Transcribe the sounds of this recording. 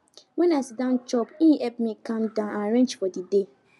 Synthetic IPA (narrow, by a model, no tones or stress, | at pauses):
wɛ̃nasidãnt͡ʃɔpiɛpmikãmdãnãɹɛ̃nd͡ʒfɔdide